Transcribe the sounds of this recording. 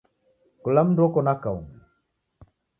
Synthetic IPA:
kulam̩ndwɔkɔnakaum

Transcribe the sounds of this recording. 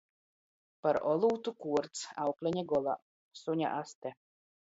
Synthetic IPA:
paɾɔlˠuːt̪ukuɔɾt̪sawklʲɛɲʲɛɡɔlˠa̰ | suɲʲa̰ʔast̪ɛ

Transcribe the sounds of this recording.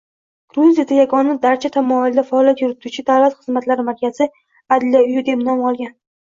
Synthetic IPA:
ɡ̥ɾuzijad̪ajaɡɒnad̪aɾt͡ʃʰat̪ʰamɒɪld̪afaːlʲˠjat̪jʊɾɪt̪ʰut͡ʃʰɪd̪avlat̪χɨzmat̪laɾɪmaɾkʲʰaz̥ɪ | ad̪lijaʊjɪd̪e̞pnɒmɒlˠɡʲan

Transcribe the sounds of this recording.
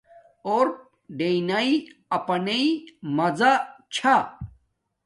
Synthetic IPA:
oɾp̚ | ɖeinaiɐpɐneimɐzat͡ɕʰa

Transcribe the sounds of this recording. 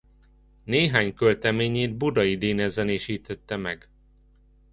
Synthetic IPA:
neːɦaːɲkølt̪ɛmeːɲeːd̪̚bud̪ɒjid̪eːnɛzɛneːʃiːt̪ʰɛt̪ːɛmɛɡ

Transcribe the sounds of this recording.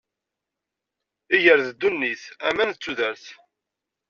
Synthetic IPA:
iʝəɾðəd̪ːunːiθæmænət͡sːuðəɾθ

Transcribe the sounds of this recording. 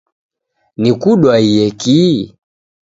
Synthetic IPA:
nikuɗwaijɛki

